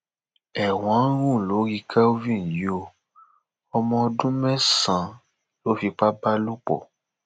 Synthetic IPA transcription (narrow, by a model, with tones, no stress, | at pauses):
ɛ˨w̃ã˨˦ɾ̃ũ˦˨lo˨˦ɾi˧kʰa˦o˦vĩ˦˨jo˧ | ɔ˧mɔ̃˧dũ˦mɛ̃˦sã˨ | lo˦fi˧k͡pa˦ba˦lu˦k͡pɔ̰˨